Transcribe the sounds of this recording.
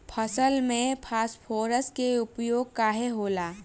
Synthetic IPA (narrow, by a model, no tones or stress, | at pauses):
pʰəsəlmẽpʰaːspʰoːɾəskeʊpjoːɡ̚kaːɦeɦoːlaː